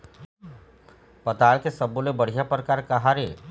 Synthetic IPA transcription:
pɐt̪aːɭkesɐbolebɐɽ̤ijapɾəkaːɾkɐɦaɾeː

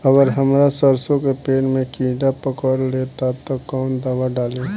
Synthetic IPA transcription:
əɡəɾɦəmɾasəɾsõkepeːnmẽkĩːɖapəkəɾleːt̪at̪okɔːnd̪aːwaɖaːlẽː

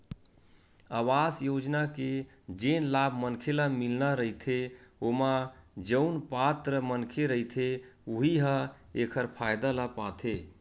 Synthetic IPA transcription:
awasjod͡ʒnake | d͡ʒenlabʱmənkʰelamilnaɾəit̪ʰeomad͡ʒəʊnpat̪ɾəmənkʰeɾəɦit̪ʰeuɦiɦə | ekʰəɾpʰajd̪alapat̪ʰe

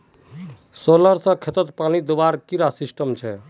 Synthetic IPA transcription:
soləɾsə̃kʰet̪ət̪panid̪obaɾkiɾasisʈəmt͡ʃʰɛ

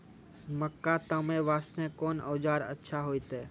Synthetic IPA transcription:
məkːat̪əmẽʋaːst̪ẽːkoːnə̰ːd͡ʒaːɾə̰tːʃʰaɦoːit̪ɛː

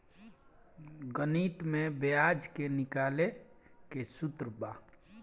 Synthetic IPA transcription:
ɡəniːt̪mẽbejaːd͡ʒkenɪkaːlekesʊt̪ɾəbaː

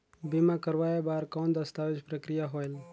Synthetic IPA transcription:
bimakəɾʋajebaːɾkɔːnd̪əst̪aʋɪd͡ʒpɾəkɾijaɦoel

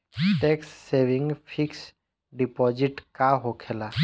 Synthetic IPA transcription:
ʈeksːeʋɪŋɡpʰiks | ɖipɔːd͡ʒiʈkaɦokʰela

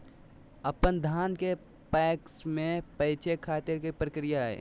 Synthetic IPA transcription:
əpənd̪ʱaːnke | pɛːksmẽpəɪt͡ʃʰekʰaːt̪ɪɾkipɾəkɾijaɦɛ̰ː

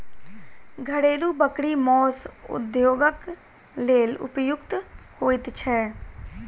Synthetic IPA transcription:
ɡʱəɽeːluːbəkɽiːmɔːsʊ̰d̪joːɡək | leːlʊ̰pjʊkt̪hoːɪt̪t͡ʃʰɛː

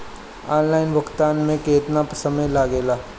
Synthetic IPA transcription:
aːnlaːɪnbəkt̪aːnmẽkeːt̪napəsəmẽlaːɡeːlaː

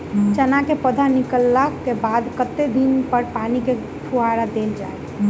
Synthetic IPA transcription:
t͡ʃənakepəd̪ʱanikəlːakebad̪kət̪ːed̪inpəɾpanike | ʈʰuaɾad̪eld͡ʒa̰e

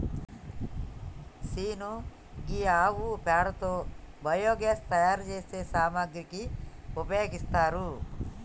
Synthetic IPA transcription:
siːnu | ɡiaːʋupaːɽɐt̪obɐjoːɡest̪ɐjaːɾd͡ʒesesaːmaɡɾikiupjjaɡist̪aːɾu

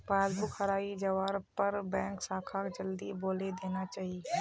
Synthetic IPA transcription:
paːzbʊkʰɐɾaːid͡ʒɐʋaːɾpɐɾbɛ̃ːŋksaːkʰakd͡ʒɐld̪iboːled̪eːnat͡ʃaːɦi

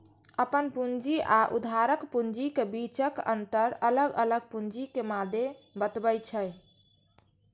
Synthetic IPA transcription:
əpənpund͡ʒiʔaʔṵd̪ʱaɾəkpund͡ʒikebit͡ʃəkə̰nt̪əɾələɡələɡ̚pund͡ʒikemad̪ʱebət̪bəjt͡ʃʰəj

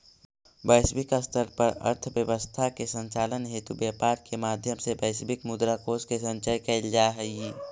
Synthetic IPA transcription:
bəɪsbɪkəst̪ʰəɾpəɾə̰ɾt̪ʰbjəwəst̪ʰakesə̃ɲt͡ʃaːlənɦeːt̪ubjeːpaːɾkemaːd̪ʱjəmsebəɪsbɪkmʊd̪ɾakoːskesə̃ɲt͡ʃajkɐld͡ʒaːɦɛji

